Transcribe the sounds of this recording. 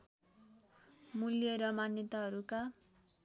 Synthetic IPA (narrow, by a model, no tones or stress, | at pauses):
muljʌɾʌmanjʌt̪ʌɦʌɾuka